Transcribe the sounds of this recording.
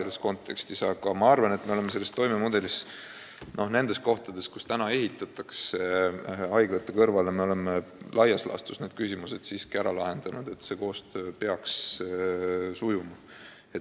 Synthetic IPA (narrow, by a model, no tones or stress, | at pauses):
elːesko̞nt̪ˑːe̞kst̪isɑɡ̥ɑmɑɑrvɑne̞t̪ːme̞ole̞mːese̞lːest̪ːo̞jme̞mud̪e̞lis | no̞hne̞nd̪̥e̞st̪̚ko̞ht̪ɑd̪̥e̞st̪̚ku̥st̪ænɑe̞ɦit̪ːˑɑt̪ːˑɑkseɑjɡ̥lɑt̪ːˑekɤrvɑlemeo̞le̞melʔɑjɑslɑ̰st̪usned̪̥̚kysʲimuse̞d̪̥siːskiæɾɑlɑɦe̞nd̪̥ɑnud̪̥e̞t̪se̞ːko̞ːst̪øːpe̞ɑks | sujumɑ | e